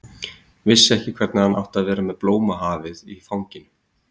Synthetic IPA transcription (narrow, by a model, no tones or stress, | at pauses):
vɪsːɪɛhcɪkʰv̥ɛɾt̪nahana̰wht̪aðvɛːɾamɛðploːwmaɦaːvɪðiθawɲcɪn